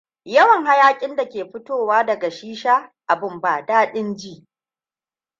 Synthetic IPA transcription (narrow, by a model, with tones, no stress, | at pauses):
jɐ˦wɐ˨ŋɦa˦jaː˦kʲʼɪ˦nda˨kʲeː˨ɸʊ˦toː˦˨waː˦dɐ˨ɡa˨ʃiː˦ʃaː˦ʔa˨bɪ˦˨mbaː˨daː˦ɗɪ˦nd͡ʒiː˦ʔ